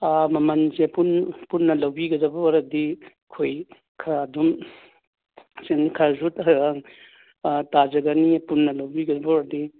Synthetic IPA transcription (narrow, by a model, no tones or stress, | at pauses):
amɐmɐnzepunpunːɐlawbiɡɐdɐbɔaɾɐdi | kʰoj | kʰaːdum | senikʰaɾzutaaŋ | tazɐɡanipunːɐlawbiɡɐdɐbɔɾɐdi